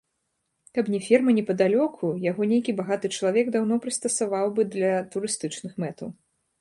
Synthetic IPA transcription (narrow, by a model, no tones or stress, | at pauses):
kɐpnʲɛfʲirmɐnʲɛpɐd̪alʲɔkʰujaɣɔnʲejkʲibaɣat̪ɨt͡ʂɐlˠavʲɛɡd̪awn̪ɔpɾɨst̪ɐsavawbɨd̪lʲɐt̪uɾɨst̪ɨt͡ʂnɨxmɛt̪ɐw